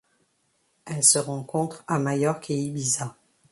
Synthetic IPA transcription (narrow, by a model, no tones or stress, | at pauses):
ɛlsəʁɑ̃kɔ̃t̪χamajɔʁkʰeibiza